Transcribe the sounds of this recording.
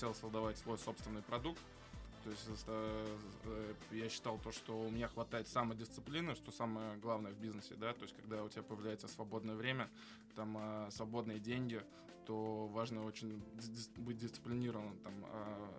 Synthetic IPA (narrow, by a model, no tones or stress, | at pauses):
tʲelˠsəzˠd̪ɐvatʲsvo̞jso̞pst̪vʲɪnːɨjpɾɐd̪uk̚t̪ː | o̞ɪsʲtʲəsə | jaɕːɪ̥t̪ɑlˠt̪o̞ʂt̪o̞ʊmɪnʲaxvɐt̪ajɪt̪samədʲɪst̪sɨplʲinɨʂt̪o̞saməjəɡlˠavnəjəvbʲiznəsʲɪ̰d̪at̪o̞jɪsʲtʲkɐɡ̚d̪aʊtʲɪbʲapəjɪvlʲæjɪt̪səsvɐbo̞d̪nəjəvɾʲemʲə | t̪aməsvɐbo̞d̪nɨjədʲenʲɡʲɪ | t̪o̞vaʐnəo̞t͡ɕɪnʲbɨt̚ʲdʲɪst̪sɨ̥plʲɪnʲiɾəvənəmt̪amə̰